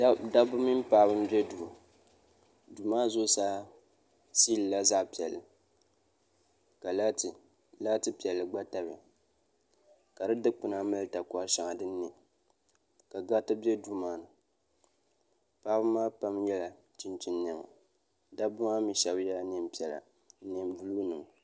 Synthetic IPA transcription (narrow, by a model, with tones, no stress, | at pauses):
da˦bʊ˦mi˦m˦paː˦bɨ˦m˦bɛ˦du˨a˨ | du˨maː˦zo˦saː˦ | si˦lɨ˨la˦za˦pi˨ɛ˨lːɨ˨ | ka˨la˦˨ | la˦tɨ˦pi˨ɛ˨lːɨ˨ɡ͡ba˦ta˨bɪ̰˨ | ka˨dɨ˦dɨ˦k͡pʊ˨na˦mɨ˦lɨ˦ta˨kɔ˦a˦ʃa˨ŋa˨dɨ˦nː˦ɛ˨ | ka˨ɡa˦tɨ˦bjɛ˦du˦maː˦nɨ˨ | pa˦bɨ˦maː˦pa˦mjɛ˦la˨ | t͡ʃɪ˦nt͡ʃɪ˦nnɛ˦˨ŋa̰˨ | da˦bʊ˦a˦mi˨ʃɛ˨˦bjɛ˦la˦nɛ˦mpi˦ɛ˨la̰˨˦ | nɛ˨m˦du˦luː˦nɨ˨ŋ˨